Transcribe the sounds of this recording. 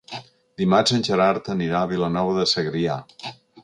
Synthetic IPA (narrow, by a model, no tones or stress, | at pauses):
d̪imazənʲʒəɾaɾt̪əniɾaːβilənɔβəðəsəɣɾia